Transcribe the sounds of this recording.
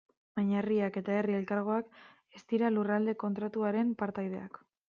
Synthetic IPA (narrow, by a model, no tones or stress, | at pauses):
maɲariake̞t̪ae̞rie̞lkaɾɣ̞o̞ak | est̪iɾalurald̪e̞ko̞nt̪ɾat̪uaɾe̞mpaɾt̪ajð̞e̞ak